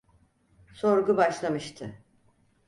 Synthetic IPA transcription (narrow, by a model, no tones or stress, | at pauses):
so̞ɾɡubaʃlˠamɯʃt̪ʰɯ